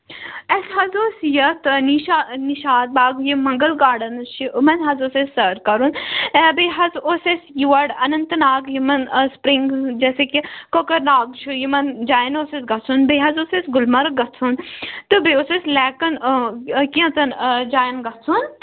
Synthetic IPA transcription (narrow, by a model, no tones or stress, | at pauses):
esɦɐzoːsijɐt̪niʃaniʃaːt̪̚baːɡjimɐ̃ŋɡəlɡaːɽɐnʃiʔmɐnɦɐzoːsesːɐɾkɐɾunbeːɦɐzoːsesjiʋɐɽɐnɐnt̪ɨnaːɡjimɐnspɾiŋɡd͡ʒɛːsekikokɐɾnaːɡt͡ʃʰujimɐnd͡ʒaːjnoːsesɡɐt͡sʰunbeːɦɐzoːsesɡʊlmɐɾɡɐt͡sʰunt̪ɨbeoːsesʲlɛːkɐn | kiɐ̃t̪ɐnd͡ʒaːjnɡɐt͡sʰun